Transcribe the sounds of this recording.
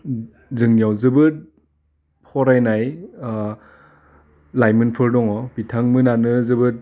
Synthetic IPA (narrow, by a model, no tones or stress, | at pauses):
zɯŋnijawzɯbɯt̚ | pʰɔɾajnaj | lajmɯnpʰɯɾdɔŋɔbitʰaŋmɯnanɯzɯbɯt̚